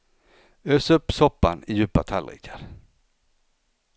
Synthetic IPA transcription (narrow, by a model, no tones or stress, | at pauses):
øːsɵpsɔpaniːjʉːpət̪ʰælʁḭːkʰəɾ